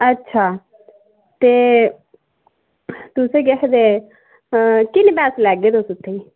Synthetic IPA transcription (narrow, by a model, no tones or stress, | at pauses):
ətːʃʰaː | t̪eː | t̪ʊseːɡekʰd̪eː | kɪnbɛːslɛːɡeːd̪osʊt̪ʰːeiː